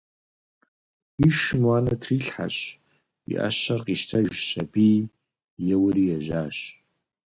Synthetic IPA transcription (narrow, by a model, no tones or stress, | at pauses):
iʃɨmwaːnɐtʰriːɬħa̰ɕ | ḭʔa̰ɕɐrqiʃtʰɐʒɕɐbiː | jɛwʊɾijɛʒaːɕ